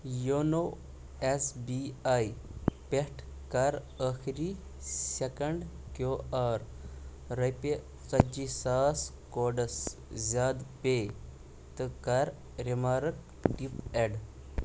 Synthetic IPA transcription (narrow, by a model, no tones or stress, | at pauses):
jono | esbiajpeʈʰ | kaɾ | əxʰɾi | sekəɳɖkjoaɾ | ɾɐjpe | sɐd͡ʑisaskoɖəszaːd̪pe | t̪əkaɾ | ɾemaɾək̚ | ʈipeɖ